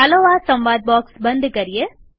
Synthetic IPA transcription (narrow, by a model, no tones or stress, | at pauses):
ɦɐloːʋaːsɐmʋaːd̪̚baːksbɐnd̪ɯkɐɾɪjɐ